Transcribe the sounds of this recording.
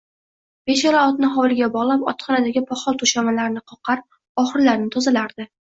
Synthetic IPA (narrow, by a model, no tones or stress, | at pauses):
b̥eʃaɾaɒt̪̚nɪɦɒwlˠɪɡʲabɒʁlˠapɒ̰t̪χɒnad̪aɡʲɪpʰɒχɒlˠt̪ʰʊʃamalaɾnɪqʰɒqʰɑɾ | ɒχɨɾlaɾnɪt̪ʰɒzalaɾd̪ɪ